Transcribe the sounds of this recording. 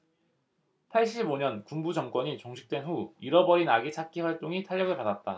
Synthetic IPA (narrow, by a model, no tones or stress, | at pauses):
pʰaɭɕ̬͈iboɲʌnkumbud͡ʑʌŋk͈wʌɲit͡ɕʌŋɕʰi̥k̚t͈we̞nɸuiɾʌbʌɾinaɡit͡ɕʰak͈ʰiɸwaɭt͈oŋitʰaʎːʌɡɯɭpadat̚t͈a